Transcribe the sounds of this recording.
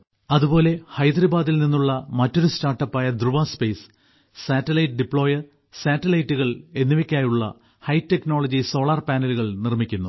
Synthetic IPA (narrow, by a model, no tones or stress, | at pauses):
ɐðubo̞ːle̞hɐjd̪ɾɐbaːd̪ilninːuɭːɐmɐtːo̞ɾustaːrʈːɐpːaːjɐd̪ruʋaːspejs | saːtːɐlɐjʈɨɖipːɭo̞ːjɐr | saːtːɐlɐjtːuɣɐɭe̞nːiʋɐkʲːaːjuɭːɐ̰ | hɐjtːekno̞ːɭɐd͡ʑiso̞ːɭɐrpaːnɐluɣɐɭnirmikʲːunːu